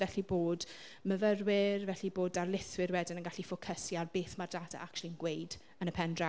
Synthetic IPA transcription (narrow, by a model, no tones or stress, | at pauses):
ɛɬiboːdməvərwɪrvɛɬiboːdarlɪθwɪrwɛdɪnənɡaɬifɔkʰəsjarbeːθmardada̰ʔakt͡ʃulˠiənɡwejd̥ | ənəpʰɛndra